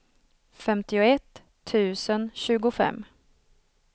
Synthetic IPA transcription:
fɛmt̪ɪʊɛt̪ʰː | ʉ̟ːsənɕʉ̟ːɡʊfɛ̰mː

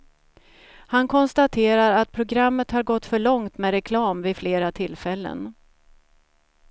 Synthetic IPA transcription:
hankʰɔnst̪at̪ʰeːɾaɾat̪̚pʰɾʊɡɾamːət̪haɾɡɔt̪ːfœɭɔŋt̪mɛɾɛkʰlɑːmvɪfleːɾat̪ʰɪlːfɛlːə̰n

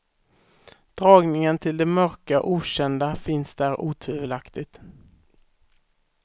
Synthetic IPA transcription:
d̪̥ɾɑːɡnɪŋənt̪ʰɪld̪ɛmœɾkaʔuːɕɛnd̪afɪnsd̪æɾuːt̪ʰʉvəlakt̪ɪɡ̚t̪

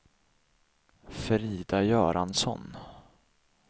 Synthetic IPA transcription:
fɛɾiːd̪ajœːɾansɔ̰n

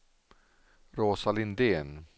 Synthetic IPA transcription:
ɾoːsalɪnd̪eːn

